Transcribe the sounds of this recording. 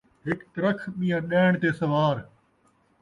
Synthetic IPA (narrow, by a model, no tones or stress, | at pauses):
ɦɪkt̪ɐɾəkʰɓĩːãːɗɛːɳ̃t̪eːsɐʋaːɾ